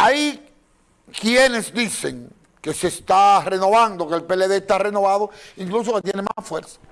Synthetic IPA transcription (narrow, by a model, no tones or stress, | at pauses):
ai | kjene̞zd̪ise̞̰ŋ | ke̞sest̪are̞no̞βand̪okelpeleðe̞ːst̪areno̞βaðoiŋklus̬omat̪jenemafweɾsḁ